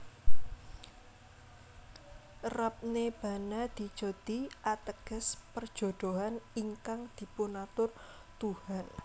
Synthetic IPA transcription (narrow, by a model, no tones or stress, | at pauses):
rap̚neb̥ä̤nad̪̥i̤d̥ʒ̥o̤t̪iʔat̪əɡ̥ə̤spərd̥ʒ̥o̤d̪̥oɦaniŋkaŋd̪̥i̤punat̪ʊr | t̪uhan